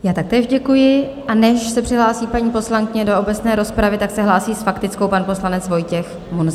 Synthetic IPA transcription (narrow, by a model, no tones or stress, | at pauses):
jaːt̪ak̚t̪ɛːʒɟɛkujɪ | ʔanɛʃsɛpr̝̥ɪɦlaːsiːpaɲiːpo̞slaŋkɪɲɛdo̞obɛt͡snɛːɾo̞spɾavɪt̪aksɛɦlaːsiːsfakt̪ɪt͡sko̞wpanpo̞slanɛt͡svo̞jcɛx | munz